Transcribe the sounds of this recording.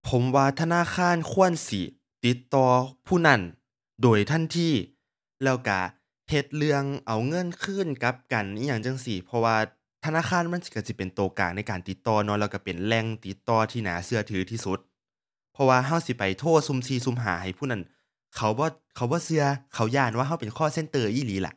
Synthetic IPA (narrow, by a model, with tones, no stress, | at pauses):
pʰo˨˦mwaː˧t̪ʰa˧naː˧˥˨kʰaː˧˥˨nkʰu˧˥˨ənsi˧˦ | t̪i˨˦t̪ːɔː˧pʰuː˧˩˨na˧˥˩n | doː˨˩jt̪ʰa˧˥˨nt̪ʰiː˧˩ | lɛː˧˩wka˧˩ | he˧t̪̚lɯ˧əŋʔa˨˩wŋɤ˧˥˨nkʰɯː˧˥˨nka˧˦˥p̚ka˨n˧˨jaː˧˩ŋt͡ɕa˧˨ŋsi˧˩pʰɔ˧waː˧ | t̪ʰa˧naː˧˥˨kʰaː˧˥˨nma˧˥˨nsi̥˧˩ka˧˩si˧˦pe˨˩nt̪oː˨˩ka̰ː˨˩ŋ̚na˧˥˨jkaː˨nt̪i˧˦t̪ːɔː˧nɔ˧˥˨lɛː˧˩wka˧˩pe˨˩nlɛ˧˨ŋt̪i˨˧˦t̪ːɔː˧t̪ʰiː˧˨na̰ː˨˦sɯ˧ɐt̪ʰɯː˨˦t̪ʰiː˧su˧˦t̪̚ | pʰɔ˧waː˧ɦa˧˥˩wsi˧˦pa˨˩jt̪ʰoː˧˥˩t̪̚su˧˨msiː˧˩su˧˦˨mɦa̰ː˨˦ha˨˩jpʰuː˧˥˨na˧˥˩n | kʰa˨˦wbɔː˧˦ | kʰa˧˦wbɔː˧˦sɯ˧ɐkʰa˧˩wjaː˧˩˨nwaː˧˨ɦa˧˩˨wpe˨nkʰɔː˧˥˨se˧˥nt̪ɤː˧˩ʔiː˧˥˨liː˨˦la̰˧˦ʔ̚